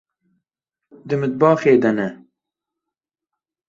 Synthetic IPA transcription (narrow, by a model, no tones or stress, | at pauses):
d̪ɨmɨt̪̚bɑːxeːd̪ɐnɛ